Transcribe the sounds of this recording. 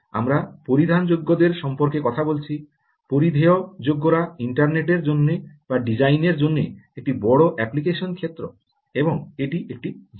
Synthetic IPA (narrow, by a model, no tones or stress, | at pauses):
a̰mɾapoɾid̪ʱand͡ʑoɡːod̪eɾʃɔmpoɾkekɔt̪ʰabolt͡ɕʰi | poɾid̪ʱeod͡ʑoɡːoɾaiɳʈaɾneʈeɾd͡ʑonːe | baɖid͡ʑajneɾd͡ʑonːeek̚ʈibɔɽoʔɛplikeʃonkʰet̪ːɾo | eboŋeʈiʔek̚ʈid͡ʑ